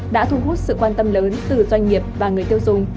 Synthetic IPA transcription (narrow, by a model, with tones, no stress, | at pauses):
ɗa̰ː˧˥t̪ʰu˧ɦu˦˥t̚sɨ̰˧˨kwaː˧nt̪ə˧mləː˨˦nt̪ɨ˨˩zwa˧jŋ̟ŋi˨˩əp̚vaː˨˩ŋɨ˨˩əjt̪i˧əwzʊ˨˩ŋ͡m